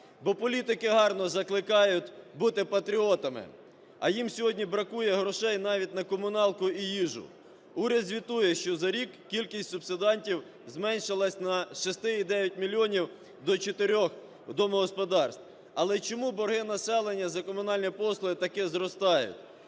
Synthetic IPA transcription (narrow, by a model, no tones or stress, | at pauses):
bɔpɔlʲit̪ɪkɪɦɑrnɔzɐklˠɪkɑjʊt̪ʲbut̪ɪpɐt̪ɾʲiɔt̪ɐmɪ̰ | ɐ̰jimsʲɔɦɔdʲnʲibɾɐkujɛɦɾɔʃɛjnɑʋʲit̚ʲnɐkɔmʊnɑlˠkʊijiʒʊ̰ | uɾʲɐd̪zʲʋʲit̪ujɛʃt͡ʃɔzɐɾʲikːʲilʲkʲisʲtʲsʊbsɪd̪ɑnʲtʲiw | zmɛnʲʃɪlˠɐsʲnɐʃɪst̪ɪid̪ɛʋʲjɐt̚ʲmʲilʲːiɔnʲiw | d̪ɔt͡ʃet̪eɾʲɔx | d̪ɔmɔɦɔspɔd̪ɑrst̪w | ɐlˠɛt͡ʃɔmubɔɾɦɪnɐsɛlˠenʲːɐzɐkɔmʊnɑlʲnʲipɔslˠɔɪt̪ɐkɪzɾɔst̪ɑjʊ̰t̪ʲ